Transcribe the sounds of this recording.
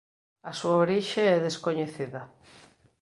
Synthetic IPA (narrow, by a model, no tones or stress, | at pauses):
ɐsuaoɾiʃeɛðeskoɲeθiðɐ